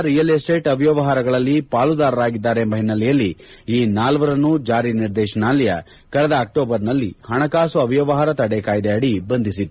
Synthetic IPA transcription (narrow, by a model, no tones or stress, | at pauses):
ɾijɐlesʈe̞ːʈɐʋjɐʋɐɦaːɾɐɡɐɭɐlːipaːlud̪aːɾɐɾaːɡid̪ːaːɾembɐɦinɐlɛjɐlːiiːnaːlʋɐɾɐnːud͡ʒaːɾiniɾd̪ɛːʃɐnaːlɐjɐ | kɐɭɛd̪ɐːk̚ʈoːbɐɾnɐlːihɐɳɐkaːsuɐʋjɐʋɐɦaːɾɐt̪ɐɽekaːjd̪eɐɽibɐnd̪ʱisit̪u